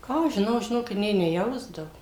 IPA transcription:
ˈkɑː ɐʃ ʒʲɪˈnɐʊ ʒʲɪˈnoːkʲɪt nʲeː nʲɛˈjɛʊzdɐʋʊ

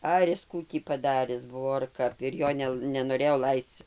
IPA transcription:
ˈɐr ɪs ˈkuː tʲiː pɐˈdɑːrʲɪs ˈbʊʋoː ɐr ˈkɐp ɪr ˈjoː nʲɛ nʲɛnoːˈrʲeːjoː ˈlˠɐɪst͡s

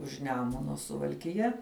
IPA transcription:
ʊʃ ˈnʲæːmʊnoː sʊʋɐlʲkʲɪˈjɛ

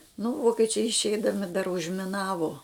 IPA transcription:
nʊ ˈʋoːkʲɛt͡ʃʲɛɪ ɪʃʲˈɛɪdɐmʲɪ dɐr ʊʒʲmʲɪˈnɑːʋoː

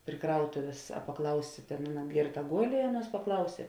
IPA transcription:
pʲrʲɪ ˈkrɐʊtʊʋʲeːs ɐ pɐˈklˠɐʊsʲeː ˈtʲeːn ˈɑːˌnɐ ˈɡʲeːrˌtɐ ˈɡoːlʲ ɪ ˈɑːˌnuɔs pɐˈklˠɐʊsʲeː

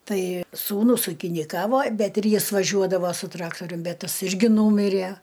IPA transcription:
ˈtɐɪ suːˈnʊs uːkʲɪnʲɪˈkɑːʋoː ˈbʲɛt ɪr ˈjɪs ʋɐˈʒʲuɔdɐʋɐ sʊ ˈtrɑːktoːrʲʊm ˈbʲɛt ˈtɐs ˈɪrʲɡʲɪ ˈnuːmʲɪrʲeː

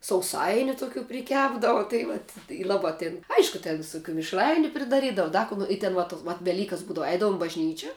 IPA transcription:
sɐʊˈsɐɪnʲʊ tʊˈkʲuː pʲrʲɪˈkʲæːbdɐʋɐ tɐɪ ˈʋɐt ɪ ˈlˠɑːbɐ tʲeːn ˈɐɪʃkʊ tʲɛn ʋʲɪsʊˈkʲuː mʲɪʃˈrɐɪnʲʊ pʲrʲɪdɐˈrʲiːdɐʋʊ ˈdɐ koː noː ɪ tʲɛn ʋɐ toːs ʋɐt ʋʲɛˈlʲiːkɐs ˈbuːdɐʋʊ ˈɛɪdɐʋʊm ɪ bɐʒʲˈnʲiːt͡ʃʲɛ

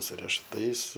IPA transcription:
sʊ rʲɛʃʊˈtɐɪs

